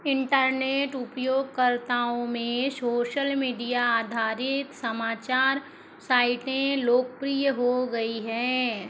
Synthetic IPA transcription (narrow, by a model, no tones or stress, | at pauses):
ɪ̃ɳʈəɾneːʈʊpjoːɡ̚kəɾt̪aːõmẽsoːʃəlmiːɖijaaːd̪ʱaːɾɪt̪səmaːt͡ʃaːɾ | saːɪʈẽloːk̚pɾijəɦoɡɐiɦɛ̃ː